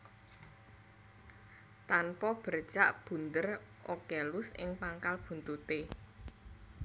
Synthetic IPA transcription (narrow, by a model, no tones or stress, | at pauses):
t̪anpɔb̥ə̤rd̥ʒ̥aʔb̥ṳnd̪ər | ʔokelʊsɪ̰ŋpaŋkalb̥ṳnt̪ut̪e